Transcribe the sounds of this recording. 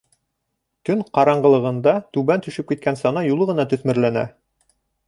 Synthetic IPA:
t̪ɵŋqɑɾɑɴɢɤ̆lˠɤ̆ʁɤ̆nd̪ɑt̪ʉβænt̪ɵ̆ʃɘp̚kit̪̚kænsɑnɑjulˠɤʁɤ̆nɑt̪ɵ̆θmɘ̆ɾlænæ̰

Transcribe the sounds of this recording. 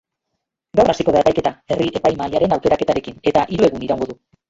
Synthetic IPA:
ɡawrasiko̞ðaepajke̞t̪ae̞riʔe̞pajmaʎaɾe̞nawke̞ɾake̞t̪aɾe̞kine̞t̪aʔiɾue̞ɣuniɾawŋɡo̞ðu

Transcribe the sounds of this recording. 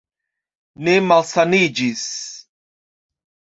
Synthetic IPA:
nemalsanid͡ʒis

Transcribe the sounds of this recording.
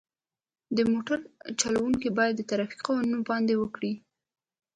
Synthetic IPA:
d̪əmoʈaɾt͡ʃɑlawuŋkibɑjad̪ːət̪aɾɑfi̥qɑwanunobɑnd̪ewəkɽi

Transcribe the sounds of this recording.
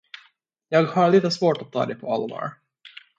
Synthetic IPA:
jɑːɡhaɾɭiːt̪əsvoːʈat̪ʰːɑ̰ːd̪ɛjpʰɔalvɑ̰ːɾ

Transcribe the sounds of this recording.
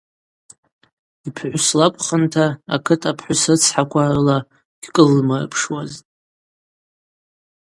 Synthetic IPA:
ipʰħʷʊslapʷʰʼχəntʰa̰ːkʰɨtʰapʰħʷʊsɨt͡sʰħakʷʰarɨla | ɡ̥ʲkʼɨlːmar̰pʰʂwaztʼ

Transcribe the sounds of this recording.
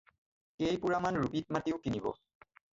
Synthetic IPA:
kejpuɹamanɹubit̚matiʊkinibɔ̰

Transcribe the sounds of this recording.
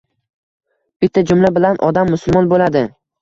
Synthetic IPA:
b̥ɪt̪ʰːad͡ʒʊmlabɪlanʔɒd̪amːʊsʊlˠmɒnbolad̪ɪ

